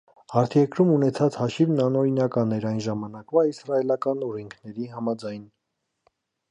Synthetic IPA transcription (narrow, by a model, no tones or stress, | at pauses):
hɑɾt̪ʰjɛɾkɾumunɛt͡sʰɑt͡shɑʃivnɑnɔɾinɑkɑnɛɾɑjnʒɑmɑnɑkvɑisrɑɛlɑkɑnɔɾiŋkʰnɛɾiɦɑmɑd͡zɑjn